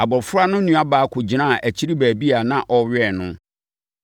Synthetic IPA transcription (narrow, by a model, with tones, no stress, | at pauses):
a˨bɔ˨fʊ˦ɾa˦nʊ̃˦nũ˨a˦baː˨˦kʰʊ˨d͡ʑi˨nã˦˨ʔæ˨t͡ɕʰi˦ɾi˦bæː˨bi˦a˨nã˦ʔɔ˨ɥɛ˦˨nʊ̃˦